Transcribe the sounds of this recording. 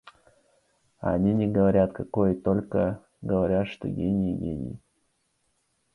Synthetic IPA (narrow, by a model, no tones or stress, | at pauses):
a̰nʲinʲɪɡəvɐɾʲat̪kɐkojt̪o̞lʲkə | ɡəvɐɾʲat̪ʂt̪o̰ɡʲenʲɪjɡʲenʲɪ̰j